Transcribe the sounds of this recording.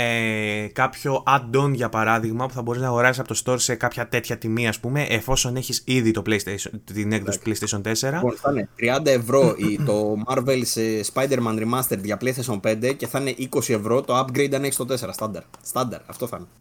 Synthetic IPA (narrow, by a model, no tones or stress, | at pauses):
ekɐpço̞ʔɐd̪o̞nʝɐpɐɾɐðiɣmɐpuθɐbo̞ɾiznɐːɣo̞ɾɐsisɐpo̞t̪o̞st̪o̞ɾse̞kɐpçɐt̪e̞t̪çɐt̪imiɐspume̞ʔefo̞so̞neçisiðit̪oplejst̪inekðosi̥t̪plejst̪esio̞nt̪e̞se̞ɾɐonθɐnet̪ɾiɐnd̪ɐe̞vɾo̞it̪o̞mɐɾvelsespɐjd̪e̞ɾmɐnɾimɐst̪eɾʝɐplejst̪esio̞npe̞nd̪ece̞θɐne̞ʔiko̞sie̞vɾo̞t̪o̞ɐpɡɾejd̪ɐneçi̥st̪o̞t̪e̞se̞ɾɐst̪ɐnd̪ɐɾst̪ɐnd̪ɐɾɐft̪o̞θɐ̰ne